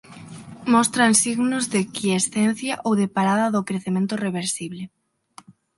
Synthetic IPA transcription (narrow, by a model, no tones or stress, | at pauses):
mɔst̪ɾansiɣnʊzðekiesθen̟θjaʔowðepaɾaðɐðʊkɾeθemẽnt̪ʊreβ̞eɾsiβlɪ